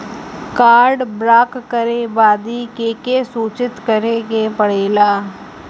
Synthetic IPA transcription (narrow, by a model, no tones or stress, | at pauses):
kaːɾɖbɾaːkːəɾebaːd̪ikeːkesuːt͡ʃɪt̪kəɾeɡepɐɽ̤eːlaː